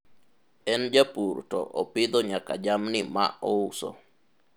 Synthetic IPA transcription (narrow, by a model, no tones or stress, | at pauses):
ɛnd͡ʒapuɾtɔ̰ʔopid̪oɲaka̰d͡ʒamnima̰ʔouso̰